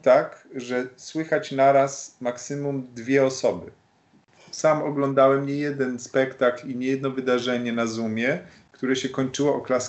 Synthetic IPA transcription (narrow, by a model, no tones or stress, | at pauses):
t̪akʐɛswɘxat͡ɕnaɾasmaksɘmumd̪vʲjɛɔsɔbɘ | samɔɡlɔnd̪awɛmɲɛjɛd̪ɛnspɛkt̪akliɲɛjɛd̪nɔvɘd̪aʐɛɲɛnazumʲjɛ | kt̪uɾɛɕɛkɔɲt͡ʂɘwɔʔɔklas